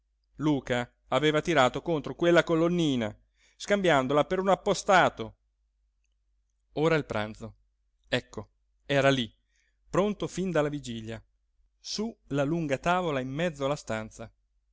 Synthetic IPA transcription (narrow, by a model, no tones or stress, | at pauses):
luːkaː | veːvat̪iɾaːt̪okont̪ɾokwelːakolonːiːna̰ | skambjand̪olapeɾunapːost̪aːt̪o | oːɾailpɾʔa̰nt̪so | ɛkːo | ɛːɾali | pɾont̪ofind̪alːavid͡ʒilja | sulaluŋɡat̪aːvolaimːɛd̪zːoalːast̪ant̪sa